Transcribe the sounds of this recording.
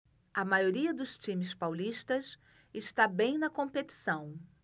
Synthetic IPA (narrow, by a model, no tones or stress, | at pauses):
ɐmajoɾiɐd̪ʊst͡ʃĩmɪspawliʃt̪ɐs | ɪʃt̪abẽj̃nɐkõmpet͡ʃi̥sɐ̃w̃